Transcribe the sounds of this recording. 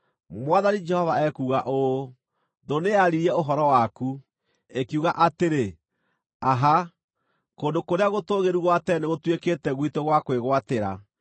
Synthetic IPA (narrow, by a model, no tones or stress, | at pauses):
mwaðanid͡ʒɛhɔvaɛkuːɣaʔo | ðoneaɾiɾiɛoɦɔɾɔwaku | ekiuɣaʔateɾe | aɦa | kondokoɾeaɣotoːɣeɾuɣwatɛneɣotweketɛɣwitoɣwakweɣwateɾa̰